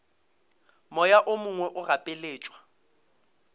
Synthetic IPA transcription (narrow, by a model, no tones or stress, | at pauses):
mɔjaʔʊmʊŋwɛʔʊrapʼɪleːt͡ʃʼwa